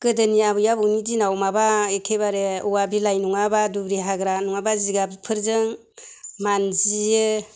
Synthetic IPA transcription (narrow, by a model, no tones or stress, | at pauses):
ɡ̥ɯdɯniabɯjabunidinawmabaekʰebaɾeuwabilajnuŋabadubɾiɦaɡɾanuŋabaziɡabipʰɯɾzɯŋ | manzijɯ